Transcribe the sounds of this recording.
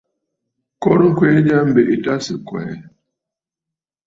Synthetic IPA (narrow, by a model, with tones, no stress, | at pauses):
kɔ˦ɾŋ̩˦kwe˦d͡ʒa˦m̩˦be˨ʔi˨ta˦sɪ˨kwɛ̰ː˨˦